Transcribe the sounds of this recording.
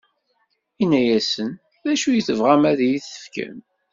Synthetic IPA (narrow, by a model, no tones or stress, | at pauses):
inæjæsən | ðæʃujəθəvʁæmæðjiθə̥fkə̰m